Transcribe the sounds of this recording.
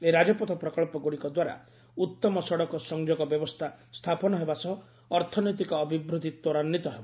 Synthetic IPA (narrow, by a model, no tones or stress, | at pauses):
eɾad͡ʒɔpɔt̪ʰɔpɾɔkɔɭpɔɡuɽikɔd̪waɾa̰ | ut̪ːɔmɔsɔɽɔkɔsɔŋd͡ʒoɡɔbjɔbɔst̪ʰast̪ʰapɔnɔɦebasɔɦː | ɾt̪ʰɔnɔjt̪̬ikɔːbʱibɾud̪ʱit̪oɾanːit̪ɔɦebɔ